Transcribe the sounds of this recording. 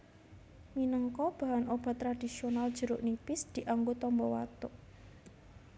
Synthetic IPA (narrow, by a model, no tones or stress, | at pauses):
minəŋkɔb̥a̤ɦanob̥a̤t̪ːɾad̪̥i̤sionald̥ʒ̥ə̤ɾuʔnipɪsd̪̥i̤ʔaŋɡot̪ɔmbɔwa̰t̪ʊʔ